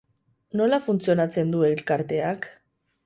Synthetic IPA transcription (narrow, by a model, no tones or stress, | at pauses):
no̞lafunt͡sio̞nat͡se̞nd̪ue̞ilkaɾt̪e̞ak